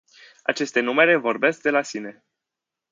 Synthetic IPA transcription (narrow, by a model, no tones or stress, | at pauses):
at͡ʃe̞st̪e̞nume̞ɾe̞vo̞rbe̞sk̚d̪e̞lasine̞